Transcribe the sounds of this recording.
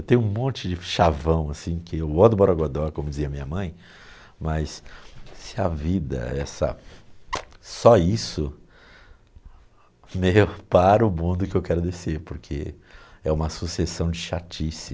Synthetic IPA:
ewt̪ẽj̃ũmõnt͡ʃɪd͡ʒɪʃavɐ̃w̃asĩkɪewod̪ʊboɾaɡod̪ɔɾkõmʊd͡ʒɪziɐmĩɲɐmɐ̃j̃ | mɐssɪɐvid̪ɐ̰ɛ̰sɐ̰ | sɔisʊ | mejpaɾʊmũd̪ʊkɪewkɛɾʊd̪eseɾpoɾkʰe | ɛũmɐsusesɐ̃w̃d͡ʒɪʃat͡ʃisi

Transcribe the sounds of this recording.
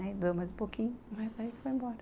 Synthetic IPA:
ɛid̪uɐmɐjzũpokʰĩɲʊmɐzɐifojẽmbɔɾɐ

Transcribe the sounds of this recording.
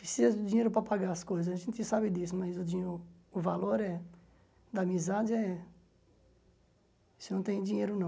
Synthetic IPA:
pɾɪsizɐd̪ʊd͡ʒĩɲejɾʊpɾɐpaɡaɾɐskojzɐzɐʒẽnt̪ɪsabɪd̪isʊmɐzʊd͡ʒĩʊːvaloɾɛ | d̪ɐːmizad͡ʒɪɛ | sɪnɐ̃w̃t̪ẽj̃d͡ʒĩɲejɾʊnɐ̃w̃

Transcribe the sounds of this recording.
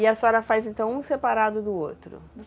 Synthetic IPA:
ɪɐsɔɾɐfajzẽnt̪ɐ̃w̃ũsepaɾad̪ʊd̪ʊo̰t̪ɾʊ̰

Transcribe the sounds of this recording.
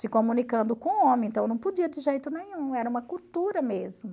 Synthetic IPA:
sɪkomũnikɐ̃nd̪ʊkõõmẽẽnt̪ɐ̃w̃nɐ̃w̃pod͡ʒiɐd͡ʒɪʒejt̪ʊnẽɲũɛɾɐũmɐkuwt̪uɾɐmezmʊ

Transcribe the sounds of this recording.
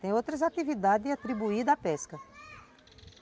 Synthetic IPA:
t̪ẽj̃owt̪ɾɐzat̪ivid̪ad̪ɪzɪat̪ɾibuid̪ɐapɛskɐ

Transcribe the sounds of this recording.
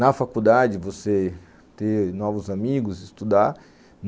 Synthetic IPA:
nɐfakud̪ad͡ʒɪvose | t̪enɔvʊzamiɡʊzist̪ud̪aɾ | n

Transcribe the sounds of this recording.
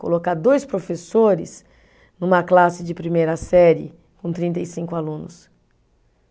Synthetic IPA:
ko̰lokaɾd̪ojspɾofesoɾɪ̰s | nũmɐklasɪd͡ʒɪpɾimejɾɐsɛɾɪ̰ | kõt̪ɾĩnt̪ejsĩkʊalũnʊs

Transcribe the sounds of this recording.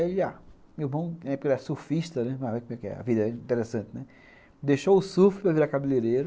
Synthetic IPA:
ia | mewmɐ̃w̃nɐ̃ɛpokelɛsufiʃt̪ɐnɛɐ̃vekomɛkɪɛ̰ɐ̰vid̪ɐɛĩĩnt̪eɾesɐ̃nt̪ɪnɛ | d̪eʃoʊsufipɾɐviɾakabileɾeɾɐ

